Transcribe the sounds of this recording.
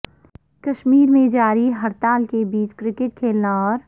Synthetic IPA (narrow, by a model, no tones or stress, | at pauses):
kɐʃmiːɾmẽd͡ʒaːɾiɦɐɾt̪aːlkebiːt͡ʃkɾɪkɪʈ̚kʰeːlnaɔːɾ